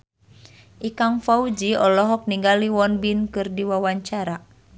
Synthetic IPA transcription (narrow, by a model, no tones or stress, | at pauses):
ʔikaŋfaud͡ʒiɔlɔɦɔk̚niŋɡaliwɔnbinkɨrdiwawaɲt͡ʃaɾa